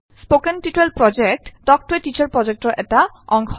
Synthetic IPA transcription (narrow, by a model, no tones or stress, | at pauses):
spokenʈiʈelpɾɔd͡ʑek̚ʈɖɔk̚ʈoeʈit͡ɕaɾpɾɔd͡ʑek̚ʈɔʔɛʈa | ɔŋɡʰɔ